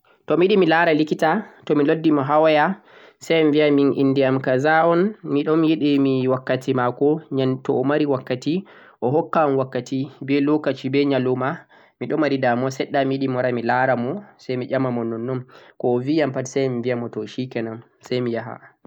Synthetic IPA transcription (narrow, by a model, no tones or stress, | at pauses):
tɔmijiɗimilaɾalikitatɔmilodːimɔɦawajasɛjmvijaminʔḭnːdiamkazaɔnmiɗɔmjiɗimiwakːatimakɔɲatɔːmaɾiwakːati | ʔɔɦɔkːamwakːatibɛlokat͡ʃibɛɲaluma | miɗɔmaɾidamɔsɛɗːamijiɗimɔɾamilaɾamɔsajmiʄamːamɔnːɔnːɔmkɔːvijampatisɛjmivijamɔtɔʃikɛnam | sɛjmijaɦa̰